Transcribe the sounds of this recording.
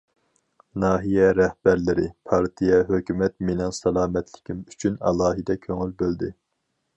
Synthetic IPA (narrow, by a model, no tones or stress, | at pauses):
nɑːɦijɛɾɛhb̥æɾlɪɾɪ̰pʰɑɾt̪ʰijɛɦøkʲymɛt̪menɛŋsɑlˠɑːmɛt̪ʰlɪ̥kʲʰimyt͡ʃʰynɑ̰lˠɑːɦɨd̪ɛkʲʰøŋylbøld̪ɪ